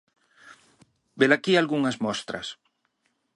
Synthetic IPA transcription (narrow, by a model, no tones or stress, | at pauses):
belakialɣuŋɐzmɔst̪ɾɐ̰s